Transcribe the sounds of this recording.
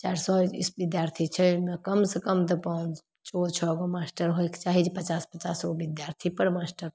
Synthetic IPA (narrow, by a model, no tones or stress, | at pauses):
t͡ʃaːɾsɔḭsbid̪jaːɾt̪ʰit͡ʃʰəmekəmsəkəmt̪̬ɐpɔ̃ːn | t͡ʃot͡ʃʰɔɡomasʈəɾɦojkt͡ʃaːɦid͡ʒpət͡ʃaːspət͡ʃasɡobid̪jaɾt̪ʰipəɾmasʈəɾ